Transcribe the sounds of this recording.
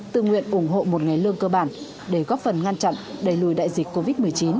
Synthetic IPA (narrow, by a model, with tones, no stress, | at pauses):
t̪ɨ̰˧˨ŋwḭ˧˨ənʔʊ˧˩ŋ͡mɦo̰˧˨mo˨˩t̚ŋa˨˩jlɨ˧əŋkəː˧ɓaː˧˩n | ɗe˧˩ɣɔ˦˥p̚fə˨˩nŋa˧nt͡ɕa̰˧˨nɗə˨˩jlu˧˩jɗa̰ː˧˨jzi˨˩k̟ko˧vi˦˥t̚mɨ˨˩əjt͡ɕi˨˦n